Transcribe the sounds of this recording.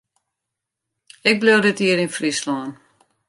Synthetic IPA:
ɪk̚blowdɪtiəɾinfrislɔːn

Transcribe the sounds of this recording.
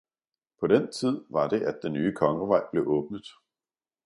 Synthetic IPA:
pʰɒ̽d̥ent͡sʰið̞̰ˠʋɑ̈ɾ̥e̝ʔæd̥̚d̥enːyːəkʰɒ̽ŋəʋɑ̈ɪ̰b̥le̝ʔɔ̽ːb̥̚nəð̩ˠ

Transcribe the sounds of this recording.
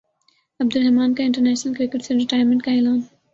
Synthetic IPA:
ɐb̚d̪ʊlɦɛmaːnkeɪ̃ɳʈəɾnɛːʃnəlkɾɪkəʈseɖəʈaːɪɾmə̃ɳʈkaeːlaːn

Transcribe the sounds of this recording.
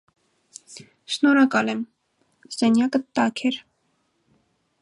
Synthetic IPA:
ʃnɔɾɑkɑlɛm | z̥ɛnjɑkət̪ɑkʰɛɾ

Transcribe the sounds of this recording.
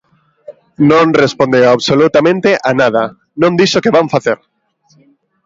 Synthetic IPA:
nõnrespõnd̪ewaβsolut̪amẽnt̪eʔanað̞ɐ | nõnd̪iʃokeβaɱfaθeɾ

